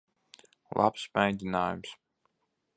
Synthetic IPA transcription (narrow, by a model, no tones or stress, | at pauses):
lˠʔa̰psmajd̪zʲinaːjums